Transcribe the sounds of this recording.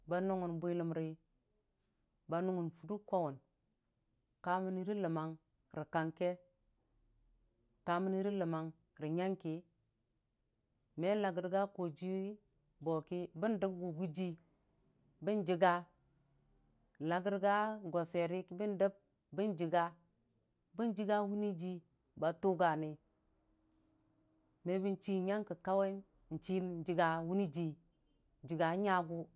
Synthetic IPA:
ba˨nu˦ŋu˨nbu˦li˨mɾi˦ | ba˨nu˦ŋu˨nfu˨du˦ko˦wu˨n | ka˨mi˦ni˦ɾi˦lə˨ma˨ŋ | ɾi˨ka˨ŋke˦ | ka˨˦mi˦ni˦ɾi˦lə˨ma˨ŋ | ɾi˨ɲa˦ŋki˨˦ | me˦la˨ɡi˨ɾɡa˦ko˨d͡ʒi˦ | bo˨ki˦bi˦ndə˦b̚ɡu˨ɡu˦d͡ʒi˦ | bi˦nd͡ʒi˨ɡa˦˨ | la˨ɡi˦ɾɡa˦ɡo˨se˨ɾi˦kbi˦ndə˦b̚ | bi˦nd͡ʒi˨ɡa˦ | bi˦nd͡ʒi˦ɡa˦wu˦ni˦d͡ʒi˦ | ba˨tu˦ɡa˨ni˨ | me˨bi˦nt͡ʃi˦ɲa˦ŋki˨ka˦we˦n˨ | n̩˨t͡ʃi˦n˨n˨d͡ʒi˨ɡa˨wu˦ni˦d͡ʒi˨ | d͡ʒi˨ɡa˨˦ɲa˦ɡu˦

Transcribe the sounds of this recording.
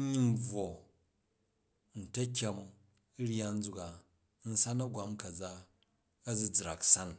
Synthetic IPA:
ɲi˦n̩˦b͡vwo˨ | n̩˨tɐ˦kʲa˨mu˨˦ | ɾja˦n̩˦d͡zu˨ka˨ | n̩˦sa˦nɐ˦ɡʷwa˦mkɐ˨d͡za˦ | ɐ˦d͡zu˨d͡zɾa̰˨ksa˦n

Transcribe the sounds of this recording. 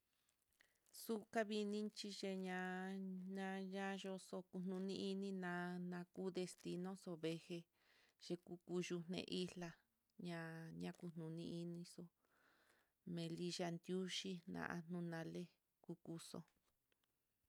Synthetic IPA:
su˦ka˦βi˧nĩ˦nt͡ʃi˧ʒe˧ɲã˧ɲã˧ɲã˦ʒo˧so˧ku˧n̥nũ˧nĩ˧˦ʔi˧nĩ˦nã˧nã˧ku˦d̪e˧st̪i˧nõ˦so˧βe˧he˧ | ʒ̥e˧ku˧˦ku˧ʒu˧nḛ̃˧ʔi˦la˧ | ɲã˧ɲã˧˦ku˧n̥nũ˨nĩ˧˦ʔi˧nĩ˧so˧ | mẽ˧li˦ʒa˧nd̪ju˦ʃi˦nã̰˧ʔa˧n̥ũ˧nã˧le˦ | ku˧ku˧so̰˧

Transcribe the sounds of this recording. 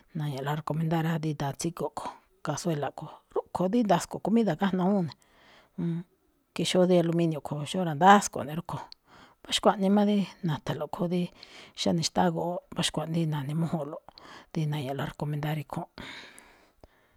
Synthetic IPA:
nã˨ɲã˨la˧ɾe˧ko˧mẽ˧nd̪a˦˧ɾa˧d̪i˧d̪a˧˨t͡si˦ko˨kʰo̥˨ | ka˧swe˧la˨ko˨ɾu˦kʰo˧d̪i˦nd̪a˧sko˨ku˧mĩ˦ða˧˨ka˦nõ˧ũ˦˨nẽ˨˧ | ki˧ʃo˦ði˦a˧lu˧mĩ˧njũ˧˨kʰo˨ʃo˦ɾa˧nd̪a˦sko̰˨nẽ˨˧ɾu˦kʰo˧ | βa˦ʃkʷa˧ʔnĩ˧mã˦ði˦nã˨t̪a˨lo˨kʰo˦ði˦ʃa˦nĩ˧ʃt̪a˦ɣo˧o˦βa˦ʃi̥˧kʷa˧ʔn˧d̪i˦nã˨nĩ˧mõ˦hõ˧lo˨d̪i˧nã˧ɲã˨la˧ɾe˧˨ko˧mẽ˧nd̪a˦˧ɾi˧kʰõ˦

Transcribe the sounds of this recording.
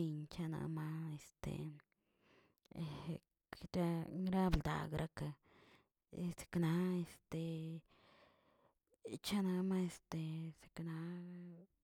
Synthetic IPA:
i˧ɲt͡ʃa˦na̰˧ma˦e˧st̪ḛ˨˧˨ | ɾa˦ŋɾa˦bld̪a̰˨ɡɾʔa˦ka˧ | e˨se̥˨kna˦e˧st̪e˨ | t͡ʃa˦na˧ma˦e˧st̪e˨se̥˨kna˧˦

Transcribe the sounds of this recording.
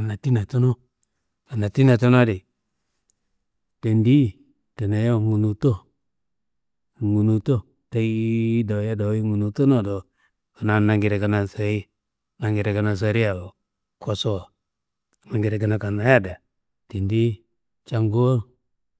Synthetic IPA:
a˨na˨ti˦na˨tu˦nu˦ | ka˨na˨ti˦na˨to˦n˦a˦di˨ | te˨ndi˦ | ta˨na˨jo˦˨ŋu˨nu˨to˦˨ | ŋu˨nu˨to˦ | ta˦i˦da˨ja˦da˨˦i˦ŋu˨nu˨to˦no˦˨do˨ | ka˨na˨˦na˨ŋɡi˨ɾe˨ɡa˨na˨sa˨i˦ | na˨ŋɡi˨ɾe˨ɡa˨na˨s̬a˨ɾi˦a˨o˨ | kʰo˨so˦˨ | ma˨ŋɡi˨ɾe˨ɡa˨na˨ka˨na˨˦ja˦da˨ | te˨ndi˦ | t͡ʃa˨ŋɡo˦o˦

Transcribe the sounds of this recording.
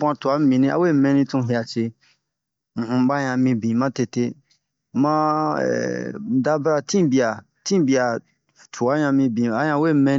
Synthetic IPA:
bã˧tu˨a˨˦mĩ˨nĩ˦a̰˦we˦˨mɛ̃˧nĩ˧tũ˧˦ɦi˧˨a˨t͡ʃe˧ | ŋ̩˨hũ˧˦ɓa˦ɲã˧mĩ˧bĩ˨mã˦te˧te˧ | mã̰˦˨ | da˦bɾa˧tĩ˦bi˨a˨ | tĩ˦bi˨a˨ | tʰu˨a˦ɲã˧mĩ˧bĩ˨a˦jã˧˦we˦˨mɛ̃˧

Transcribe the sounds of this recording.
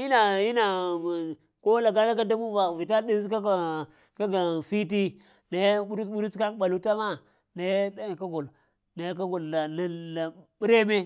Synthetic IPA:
i˦na˨ji˦na˨ | ko˦la˨ɡa˦na˦ka˦da˦mu˦va˨vi˨ta˦di˦zka˦a˨ | ka˦ɡa˨fi˦t̬i˦ | na˨jɓu˦ɾɓu˦ɾu˦ka˦kɓa˨lu˦ta˦ma˦ | na˨jka˦ɡo˨l | na˨jk̬a˦ɡo˨lːa˨na˨la˨ɓi˦ɾe˦me˦

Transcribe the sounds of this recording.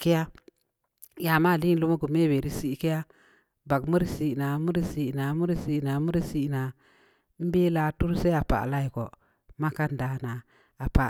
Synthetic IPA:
ki˦ja˦ | ja˨ma˦˨li˦lu˦ma˦ɡu˨me˦˨we˨ɾi˦si˦ki˦ja˦ | ba˨kmu˦ɾsi˨na˨˦mu˦ɾi˦si˨ʔna˨˦mu˦ɾsi˦˨na˨˦mu˦ɾi˦si˦˨na˨˦ | m̩˦be˦la˦tu˦ɾse˦a˨pa̰˨la˦i˨ko̰˨ | ma˦ka˦n˨da˨na˨ | a˨pa˨

